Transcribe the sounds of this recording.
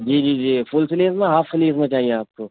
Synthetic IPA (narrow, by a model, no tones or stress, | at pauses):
d͡ʒiːd͡ʒiːd͡ʒiːfʰʊlsɪliːzmẽɦaːfsɪliːzmẽt͡ʃaːɦiẽaːp̚koː